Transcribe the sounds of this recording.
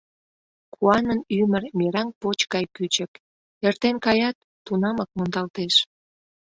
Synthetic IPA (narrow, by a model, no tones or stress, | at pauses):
kʰuɑnənymərmʲeɾɑŋpot͡ɕkɑjkyt͡ɕək | ert̪enkɑjɑt̪ːunɑmək̚mond̪ɑlt̪eʃ